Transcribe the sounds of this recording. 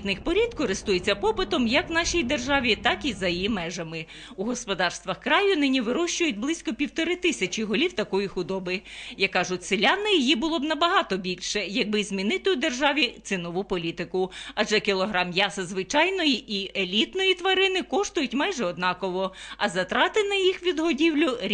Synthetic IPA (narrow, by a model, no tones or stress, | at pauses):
t̪nɪxpɔɾʲid̪kɔɾɪst̪ujet͡sʲːɐpɔpɪt̪ɔmjɐkwnɑʃʲijd̪erʒɑʋʲit̪ɑkizɐjjimɛʒɐmɪ | uɦɔspɔd̪ɑrst̪ʋɐxkɾɑjʊnɪnʲiʋɪɾɔʃt͡ʃʊjʊt̚ʲblˠɪsʲkɔpʲiwt̪ɔɾɪt̪ɪsʲɐt͡ʃʲiɦɔlʲiwt̪ɐkɔjixʊd̪ɔbɪjɐkːɑʒʊtʲsɪlʲɑnɪjijibʊlˠɔbnɐbɐɦɑt̪ɔbʲilʲʃɛjɐɡ̚bɪzmʲinɪt̪ɪud̪erʒɑʋʲit̪sɪnɔʋupɔlʲit̪ɪkʊɐd͡ʒɛkɪlˠɔɦɾɑmjɑsɐzʋɪt͡ʃɑjnɔjiʔielʲit̪nɔjit̪ʋɐɾɪnɪkɔʃt̪ʊjʊtʲmɑjʒɛɔd̪nɑkɔʋɔɐzɐt̪ɾɑt̪ɪnɐjixʋʲid̪ɦɔdʲiwlʲʊɾʲ